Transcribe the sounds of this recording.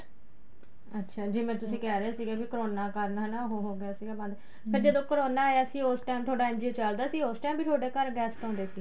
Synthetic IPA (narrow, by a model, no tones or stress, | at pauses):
ətːʃʰaːd͡ʒiːmɛ̃ːt̪ʊsĩːkɛːɾeaːsiːɡɛːbiːkəɾoːnaːkəɾnɦɛnaːɦoːɦoːɡeaːsiːɡɛːbə̃nd̪ | səɾd͡ʒəd̪õːkəɾoːnaːjaːsĩːoːsʈaːmt̪ʰoːɖaːɛ̃nd͡ʒieːt͡ʃəld̪aːəsĩːoːsʈɛːmbiːt̪ʰoːɖeːkəɾɡɛːst̪ãːnd̪eːsiː